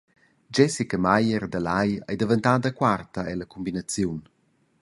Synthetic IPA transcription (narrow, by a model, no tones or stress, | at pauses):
d͡ʒɛsikamajərd̪alaja̰jd̪evənt̪aːd̪əkwart̪aɛlakumbinat͡sjun